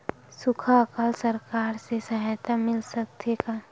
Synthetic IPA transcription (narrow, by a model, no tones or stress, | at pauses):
sʊkʰakalsəɾkaːɾsesɐɦaːt̪amɪlsək̚t̪ʰeka